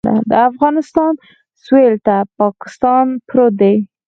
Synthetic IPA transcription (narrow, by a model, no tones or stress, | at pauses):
a̰d̪əafɣɑnɪst̪ɑn | swelt̪apɑkɪ̥st̪ɑnpɾod̪ej